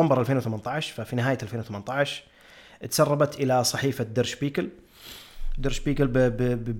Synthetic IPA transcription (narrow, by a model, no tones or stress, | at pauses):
ambɑɾˤʔalfeːnwθamant̪ˤɑʕʃfafinɪɦaːjaʔalfeːnwθamant̪ˤɑʕʃ | t̪sɑrˤːɑbɑt̪ʔɪlasˤɑħiːfad̪ɑɾˤʃbiːkal | d̪ɑɾˤʃbiːkɪl